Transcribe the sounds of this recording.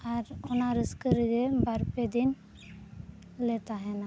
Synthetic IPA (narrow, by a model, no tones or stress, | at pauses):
aɾɔnaɾəskəɾiɡɛbaɾped̪in | lɛt̪aɦɛna